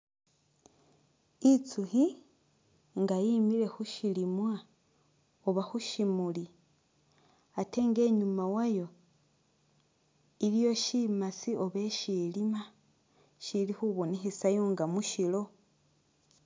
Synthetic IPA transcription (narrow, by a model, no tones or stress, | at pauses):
it͡suxi | ŋɡajimile̞xuʃilimwa | oβaxuʃimuli | ate̞ːŋɡe̞ɲumawajo̞ | iljo̞ʃimasio̞βe̞ʃilima | ʃilixuβo̞nexesajoŋɡamuʃilo̞